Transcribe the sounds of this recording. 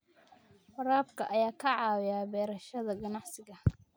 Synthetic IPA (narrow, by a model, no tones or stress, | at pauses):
fɐɾaːb̚kʰɐʔɐjaːkʰɐʕɑːwɪjaːbɛːɾɐʃɐðɐɡɐnɑʕsɪɣɐ